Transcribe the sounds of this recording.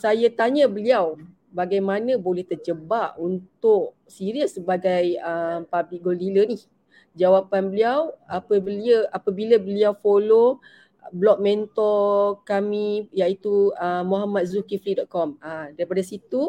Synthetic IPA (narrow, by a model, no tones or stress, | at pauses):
sajat̪aɲəbəliaw | baɡajmanə̃bolɛht̪ərd͡ʒəbaʔ̚unt̪ʊʔ | siɾiəsːəbaɡajəmpablɪk̚ɡoldilənih | d͡ʒawapanbəliawapəbəliəapabilabəliawfolo | bəlɔk̚mɛnt̪ɔkamijait̪uəmːoɦamat̪̚zukifidɔʔ̪̚kɔmadaɾipadasit̪u